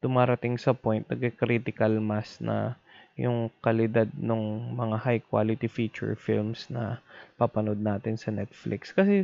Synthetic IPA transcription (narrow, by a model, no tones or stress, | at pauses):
t̪ʊmaːɾɐt̪ɪŋsɐpojnt̪̚nɐ̰ɡ̚ɐkɾiːt̪ɪkɐlmasnʔɐ̰ | jʊŋkɐlɪd̪ad̪̚noŋmɐŋahajkwa̰ːlɪt̪ifiːt͡ʃʊ̰ɹfḭlmsnɐpapɐnod̪̚naːt̪ɪnsɐnɛt̪̚flɪ̰kskɐsɛ